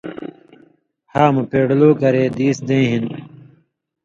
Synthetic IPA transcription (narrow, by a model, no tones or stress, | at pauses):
haːmupeːɽloːkɐɾeːd̪iːsd̪ẽːɦin